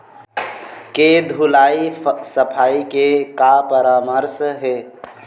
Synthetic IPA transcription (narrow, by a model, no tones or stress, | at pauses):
ked̪ʱulaisəpʰaikekapəɾaməɾsɦe